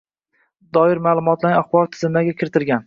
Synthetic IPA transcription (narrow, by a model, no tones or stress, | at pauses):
d̪ɒɪɾmaːlˠʊmɒt̪laɾaχbɒɾt̪ʰɪzɪmaɡʲakʲʰɪɾɪt̪ʰɪɾɡʲan